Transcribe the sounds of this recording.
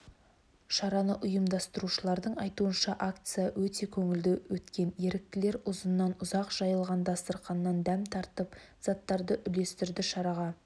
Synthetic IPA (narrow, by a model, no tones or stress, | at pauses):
ʃɑɾɑnəʔʊjəmd̪ɑst̪əɾuʃəlˠɑɾd̪əɴɑjt̪uənʃɑʔakt̪sɨjawɵt̪e̞kʲʰɵŋɪld̪ɪwɵt̪kʲe̞nje̞ɾɪk̚t̪ɪle̞ɾʊzənːɑnʊzɑqʒ̥ɑjəlˠʁɑnd̪ɑst̪əɾqɑnːɑnd̪æmt̪ʰɑɾt̪əp | z̥ɑt̪ːɑɾd̪əʔʏle̞st̪ɪɾd̪ɪʃɑɾɑʁɑ